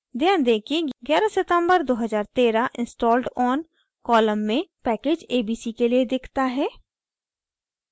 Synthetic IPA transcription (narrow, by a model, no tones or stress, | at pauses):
d̪jãːd̪eːkʰeɡjɛːɾasɪt̪ə̃mbəɾd̪oːɦəzaːɾt̪eːɾaʔɪ̃nsʈɔːlʈɔːn | kɔːləmːẽpɛːkeːd͡ʒeːbiːsikelied̪ɪkʰt̪aɦɛː